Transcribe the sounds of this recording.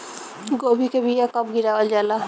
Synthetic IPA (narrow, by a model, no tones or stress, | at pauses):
ɡoːbʱikebʱijakəb̚ɡiɾaːʋəld͡ʒaːla